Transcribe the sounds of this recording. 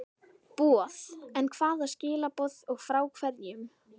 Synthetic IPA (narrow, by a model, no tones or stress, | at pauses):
pɔːθɛnkʰv̥aːðḁscɪːlapɔθɔɣfɾaːwkʰvɛt̪niʏm